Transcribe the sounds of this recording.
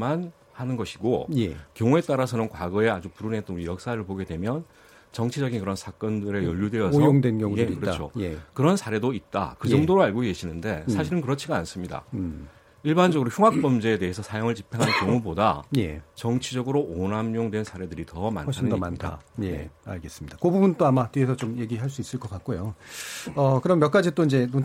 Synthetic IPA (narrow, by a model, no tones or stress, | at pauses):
man | hanɯnɡʌɕʰiɡo̰jekjʌŋue̞t͈aɾasʰʌnɯnkwaɡʌe̞ad͡ʑupuɾunɦet͈nijʌk̚s͈aɾɯɭpoɡe̞dwe̞mjʌn | t͡ɕʌŋt͡ɕʰid͡ʑʌɡinkɯɾʌnsʰak͈ʌndɯɾe̞jʌʎːudwe̞ʌsjoŋdenkjʌŋuekɯɾʌt͡ɕʰojekɯɾʌnsʰaɾe̞doit̚t͈a̰kɯd͡ʑʌŋdoɾoaɭɡoɡe̞ɕʰinɯnde̞sʰaɕʰiɾɯnkɯɾʌt͡ɕʰiɡaːns͈ɯmɲida̰ | iɭband͡ʑʌɡɯɾoçjuŋɦak̚p͈ʌmd͡ʑeːde̞ɦesʰʌsʰajoŋɯɭt͡ɕipʰe̞ŋɦankjʌŋubodaje̞̰t͡ɕʌŋt͡ɕʰid͡ʑʌɡɯɾoʔonamɲoŋdwe̞nsʰaɾe̞dɯɾitʌma̰nɕʰadma̰ntʰa̰jea̰ɭɡe̞s͈ɯmɲid̥akobubunt͈oamatiesʰʌt͡ɕomje̞ɡiɦaɭs͈uis͈ɯɭk͈ʌk͈at̚k͈ojo | ʌkɯɾʌmjʌk͈ad͡ʑit͈oind͡ʑe̞nu